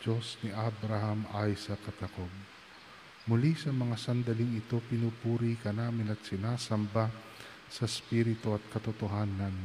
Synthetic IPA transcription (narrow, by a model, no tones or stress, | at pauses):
d͡ʒo̞snɪʔabɾahɐmajsɐkɐt̪ɐkob̚ | mʊlisɐmɐŋasɐnd̪ɐlɪŋɪt̪o̞pɪnuːpuːɾikɐnaːmɪnɐt̪̚sɪnaːsɐmba | sɐspiɾɪt̪oɐt̪̚kɐt̪ʊt̪oɦaːnɐn